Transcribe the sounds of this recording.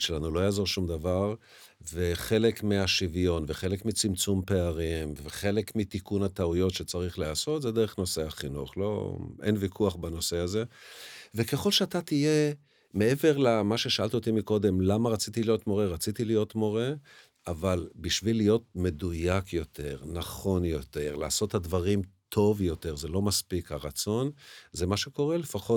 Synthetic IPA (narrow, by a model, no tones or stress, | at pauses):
ʃelanulo̞jaːzo̞ʁʃumd̪avaʁ | veχe̞lekmiaʃivjo̞nveχe̞lekmit͡simt͡sumpe̞aʁimveχe̞lekmit̪ikunat̪aujo̞tʃe̞t͡saʁiχleaso̞t̪zed̪eʁeχno̞seaχinṵχlo̞̰ʔḛnvikʰuaχbano̞se̞aze̞ve̞ke̞χo̞lʃeat̪at̪ije̞ | me̞eve̞ʁlamaʃe̞ʃaʔalt̪iot̪imiko̞d̪e̞mlamaʁat͡sit̪ilijo̞t̪mo̞ʁeʁat͡sit̪ilijo̞t̪mo̞ʁe̞ | ʔavalbiʃvilijo̞t̪̚me̞dujakjo̞t̪ʰe̞ʁnaχo̞njo̞t̪e̞ʁleaso̞t̪hadvaʁimt̪ʰo̞vjo̞t̪e̞ʁzelo̞maspikhaʁat͡so̞nzemaʃe̞ko̞ʁe̞le̞faχo